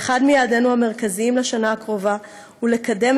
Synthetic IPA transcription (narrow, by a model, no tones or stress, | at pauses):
χadmijaːde̞nuhame̞ʁ̞kaziimleʃanaːkʁo̞va | hule̞kade̞m